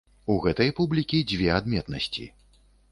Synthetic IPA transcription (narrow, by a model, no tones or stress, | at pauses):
uɣɛt̪ɐjpublʲikʲid͡zʲvʲɛad̪mʲɛt̪nɐsʲt͡sʲḭ